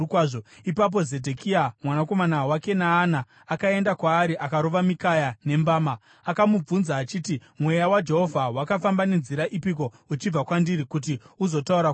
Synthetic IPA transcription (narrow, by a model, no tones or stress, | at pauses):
kwaʐoipap̬o̞ze̞dʱekʰiamwanako̞manawake̞naːnaː | kae̞ndakwaːɾiʔakaɾo̞ʋamikajane̞mbaːmaː | kamub͡vunzaːt͡ʃiːtimwe̞jawad͡ʒe̞ɦo̞vʱawakafambane̞nziɾaʔipik̬o̞ | ut͡ʃib͡vakwandiɾikut̬iuzo̞tauɾa